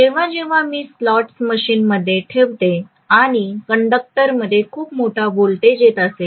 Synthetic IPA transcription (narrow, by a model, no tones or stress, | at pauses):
d͡ʑeʋ̤ad͡ʑeʋ̤amiːslɔʈsməɕiːnməd̪ʱːjeʈʰeʋt̪e | aɽ̃ikəɳɖək̚ʈəɾməd̪ʱːjekʰuːpmoʈʰabolt̪ed͡ʑet̪əse